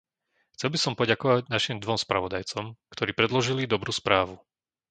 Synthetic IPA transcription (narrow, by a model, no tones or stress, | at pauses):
xt͡sɛlbisɔmpɔɟakɔʋaɟnaʃimd̪ʋɔmspɾa̰ʋɔd̪ajt͡sɔmkt̪ɔɾiːpɾɛd̪lɔʒilid̪ɔbɾuːspɾaːʋu